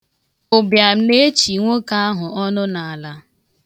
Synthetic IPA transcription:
ʊ˨bja˨m̩˦ne˦e˦t͡ʃi˨ŋʷo˦ka˦a˦ɦʊ˨ɔ˦nʊ˦na˨a˨la˨

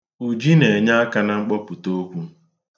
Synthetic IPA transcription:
u˨d͡ʒi˦ne˨ɲa˦a˦ka˦na˦ŋ͡m̩˦k͡pɔ˦pu˨to˦kʷu˦

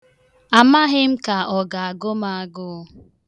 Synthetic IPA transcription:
a˨ma˦ɦɪ˦m̩˦ka˨ɔ˨ɡa˨a˨ɡʊ˦ma˦a˦ɡʊ˦

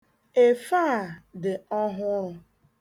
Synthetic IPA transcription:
e˨faː˦˨dɪ˨ɔ˦ɦʊ˦ɾʊ˧

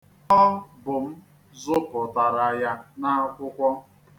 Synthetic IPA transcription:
ɔ˦bʊ˨m̩˦ | zʊ˦pʊ˨ta˨ɾa˨ja˦na˦a˦kʷʊ˦kʷɔ˦

